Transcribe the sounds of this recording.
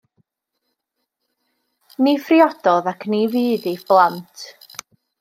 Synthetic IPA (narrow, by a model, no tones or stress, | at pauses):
nifriɔd̥ɔðakʰniviːdib̥lˠantʰ